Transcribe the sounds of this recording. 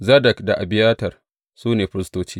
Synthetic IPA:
zɐ˦dɐ˨kda˨ʔa˨bɪ˦jaː˦tɐ˨r | suː˦neː˨ɸɪ˦ɾɪ˦stoː˦t͡ʃiː˦

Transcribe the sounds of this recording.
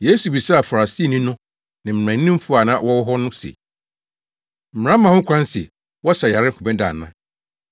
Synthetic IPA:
je˦su˨bi˨sa˦a˨fa˨ɾa˨si˦˨nĩ˦nʊ̃˦ | nɪ̃˨m̩˨ã˨n˦nĩ˦m̩˦fu˦a˨nã̰ː˦wɔ˦wɦɔ˦nʊ̃˦sɛ̰˨ | m̩˨m̩˨ã˦mã˨hʊ̃˦kʷʰã˦nsɛ̰˨ | wɔ˦sa˨ja˨ɾɪ˦ŋ̩˦kʰʊ˨bɛ̃˦da̰˨nːã˦

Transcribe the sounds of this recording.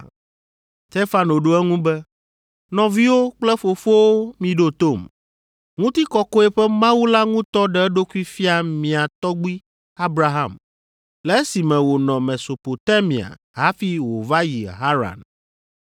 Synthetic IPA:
t̪e˦fa˦no˨ɖo˦ɛ˦ŋũ˦bɛ˦ | nɔ̃˨vi˦wo˦k͡plɛ˦fo˨fo˦wo˦mĩ˨ɖo˦t̪o˦˨m | ŋũ˦t̪i˦kɔ˦ko˦ɛ˨ɸɛ˦mã˦wu˦la˦ŋũ˦t̪ɔ˦ɖɛ˨ɛ˦ɖo˦ku˦i˦fi˦a˨mĩ˨a˨t̪ɔ˦ɡ͡bi˦ | a˦bɾa˨ɦã̰˦˨m | lɛ˨˦si˨mɛ̃˨wo˨nɔ̃˨me˨so˨po˨t̪a˦mĩ˨a̰˨ | ɦa˦fi˦wo˨va˦ji˨ɦa˦ɾa̰˨n

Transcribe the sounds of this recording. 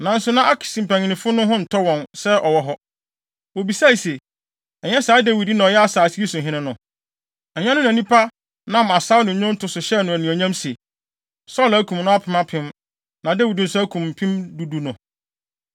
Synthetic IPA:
nã˨n̩˦sʊ˦nã˦ʔa˦kʰi̥˨sĩ˨m̩˨pʰæ˨ɲɪ̃˨nɪ̃˨fʊ˦nʊ̃˦ɦʊ̃˦n̩˨tʰɔ˦wɔ̃˨nsɛ˦ʔɔ˨wɔ˦ɦɔ˦ | wo˨bi˨sa˦i˨se˨ | ɛ˨ɲɛ˦saː˨˦dæ˦wi˨di˦nã˨ɔ˨jɛ˦a˨saː˨si˦i˦sʊ̃˨ɦɪ̃˦nɪ̃˦nʊ̃˨ | ɛ˨ɲᶣã˦nʊ̃˦n˨æ̃˨nĩ˦pʰa˦ | nã˦˨ma˨sa˦wnʊ̃˨ɲʊ̃˦n̩˦tʰʊ˨sʊ˨ɕɛ˦nʊ̃˨æ˨nĩ˨æ˨ɲã˦mse˨ | sɔ˦læ˦kʰũ˨mnʊ̃˦a˦pʰɪ˨mã˦pʰɪ̃˦m | nã˨da˦wi˨dĩ˨n̩˨sʊ˦æ˦kʰũ˨m̩ː˨pʰɪ̃˦mdu˨du˦nʊ̃˨

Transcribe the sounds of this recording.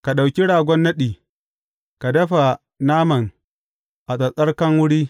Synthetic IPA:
ka˨ɗa˨wkʲi˦ɽaː˨ɡʷɔ˦nːɐ˦ɗiː˨ | ka˨dɐ˦ɸa˨ | naː˦mɐ˨ŋ | ʔa˨sʼɐ˨sʼɐ˦rkɐ˦ŋwʊ˦ɽiː˦

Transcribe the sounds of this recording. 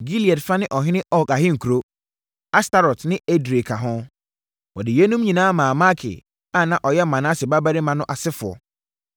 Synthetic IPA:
ɡi˦li˨ɛ˨tfa˦nɪ̃˦ʔɔ˨ɦɪ̃˦nɪ̃˦ʔɔ˦˨ka˨ɦɪ̃˦ŋ̩˨kʰu˨ɾo˦ | a˦sta˦ɾɔ˨tnɪ̃˦e˦dɾe˨kʰa˨ɦʊ̃˦ | wɔ˨dɪ˨je˦nũ˦mɲĩ˨nãː˦mãː˨ma˦kʰɪ̰˨ | a˦˨nã˨ʔɔ˨jɛ˦m˨mã˨nã˦sɪ˨ba˦ba˦ɾɪ˦mã˨nʊ̃˦ʔa˨sɪ˦fʊ˨ɔ̰˨

